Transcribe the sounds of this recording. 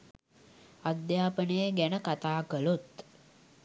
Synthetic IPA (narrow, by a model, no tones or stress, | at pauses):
ad̪jaːpənəjəɡænəkat̪aːkəlut̪